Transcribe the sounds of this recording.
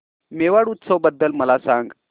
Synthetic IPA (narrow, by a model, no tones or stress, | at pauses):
meʋaɽut̪səʋbəd̪ːəlməlasaŋɡ